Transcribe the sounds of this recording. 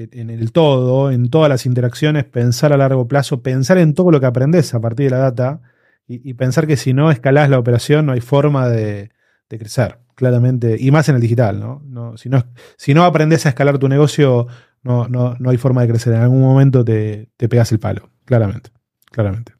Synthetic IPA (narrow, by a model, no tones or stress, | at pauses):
enelt̪o̞ð̞o̞e̞nt̪o̞ð̞alasint̪e̞ɾaksjo̞ne̞spe̞nsaɾalaɾɣo̞plaso̞pe̞nsaɾe̞nt̪oð̞o̞lo̞keap̬ɾend̪esapaɾt̪iɾðelaðat̪̬a | iʔipe̞nsaɾke̞sino̞ehkalaslaopeɾasjo̞nːo̞ajfo̞ɾmaðe | ð̥ekɾeseɾ | klaɾamẽnt̪̬e̞ʔimaseneld̪ixit̪alno̰nosino | sino̞apɾend̪esaehkalaɾt̪une̞ɣo̞sjo | nononoajfo̞ɾmað̞e̞kɾe̞seɾenalɣunmomẽnt̪̬o̞t̪̬et̪e̞peɣaselpa̰lo | klaɾamẽ̞̰nt̪e̥ | klaɾamẽnt̪e̥